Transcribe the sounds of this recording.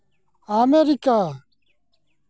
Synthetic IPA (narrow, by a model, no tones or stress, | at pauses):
aːmeːɾikaː